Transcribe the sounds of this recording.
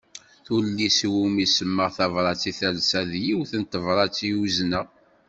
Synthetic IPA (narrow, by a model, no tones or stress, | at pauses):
θulːiswumisəmːəʁθɑvɾˤɑt͡sːiθælsæðjiwθənt̪əvɾˤɑt͡sːiwuznəʁ